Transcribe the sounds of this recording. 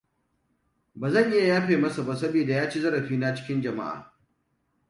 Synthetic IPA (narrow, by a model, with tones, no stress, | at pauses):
baː˨zɐ˦˨ʔɪ˦ja˨jaː˦ɸeː˨mɐ˦sa˨ba˦˨sɐ˦biː˨da˨jaː˦t͡ʃeː˦zɐ˦ɾɐ˨ɸiː˦na˦t͡ʃɪ̥˦kʲɪ˦nd͡ʒɐ˨ma̰˦ʔa̰ː˨